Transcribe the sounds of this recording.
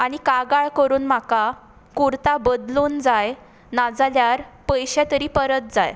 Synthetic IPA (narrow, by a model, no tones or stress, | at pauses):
aɽ̃ikaɡaɭkəɾuːnm̤aka | kuɾt̪abəd̪luːnd͡zaj | nad͡zaljaɾpəjɕɛ̃t̪əɾiːpəɾət̪̚d͡za̰j